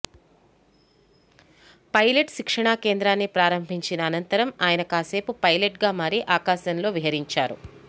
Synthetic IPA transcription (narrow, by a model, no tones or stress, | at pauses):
pɐjle̞ʈʃikʂɐɳaːke̞ːnd̪ɾaːnːipɾaːɾɐmbʱiɲt͡ʃinɐːnɐnt̪ɐɾɐmaːjɐnɐkaːse̞ːpupɐjleʈɡaːmaːɾiʔaːkaːsɐnlo̞ːʋiɦɐɾiɲt͡ʃaːɾṵ